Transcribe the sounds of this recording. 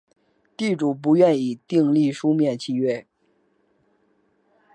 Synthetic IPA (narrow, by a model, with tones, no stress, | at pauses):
t̪i˥˩ʈ͡ʂu˨˩p̬u˧˥ɥɛ˥˩ni˨˩t̪i˥˧ŋli˥˩ʂu˥mjɛ˥˧nt͡ɕʰi˥˧ɥɛ˥˩